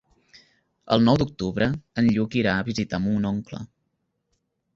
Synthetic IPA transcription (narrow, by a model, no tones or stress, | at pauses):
ə̰lˠnɔwd̪uk̚t̪uβɾəənʎukiɾaəβizit̪amunɔŋklə̰